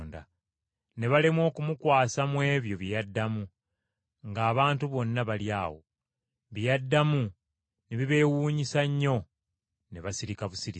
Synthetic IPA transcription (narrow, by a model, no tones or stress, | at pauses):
nda̰ | ne̞βalemwo̞ːkumukwaːsamwe̞ːβjo̞βijadːamu | ŋɡaːβaːntuβo̞nːaβaljaːwo̰ | βijadːamu | neβiβe̞ːwuːɲisaɲːo̞ | neβasiɾikaβusiɾi